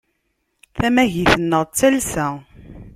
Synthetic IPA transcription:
θæmæʝiθənːəʁˤt͡sːælsæ

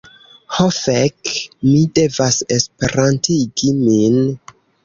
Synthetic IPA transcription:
hofekmide̞vasespeɾantiɡimin

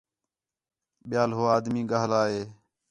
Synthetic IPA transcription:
ɓɪjaːlɦoːaːd̪miːɡaɦlaːɦeː

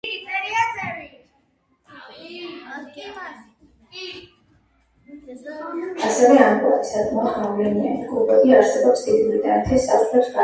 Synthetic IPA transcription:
asɛvɛamkʼua̰t̪i̥sak̪ʼmɔχavlɛnia̰nikʼubɛd̪iaɾsɛbɔpsd̪id̪ulid̪anat̪ʰɛsaplɛpskʼa

